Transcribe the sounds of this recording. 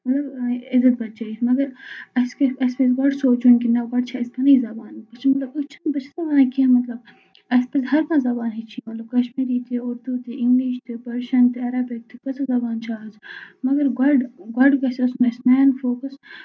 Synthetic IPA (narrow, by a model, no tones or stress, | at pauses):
mɐt̪lɐbɪzɐt̪̚bɐt̪̚d͡ʒaːimɐɡɐɾɐskɐspɐzɡɐɖsoːt͡ʃunʲkinɐɡɐɖ̚t͡ʃʰaɐst̪ɐnɐizɐbaːnpɐt͡ʃʰimɐt̪lɐbut͡ʃʰɐnbɐt͡ʃʰizɐbaːnakiɐmɐt̪lɐb̚ | ɐspɐzɦɐɾpʰãːzɐbaːnɦit͡ʃʰiːmɐt̪lɐb̚kɐʃmiːɾiːt̪ʰiʊɾd̪ut̪iʔɪŋɡliːʃt̪ʰɨpɐɾʃɐnt̪ɨɐɾaːbik̚t̪ʰikɐt͡sɐzɐbaːnt͡ʃʰaːɦɐzmɐɡɐɾɡɐɖɡɐɖkɐsiɐsunɐsnaːnfoːkɐs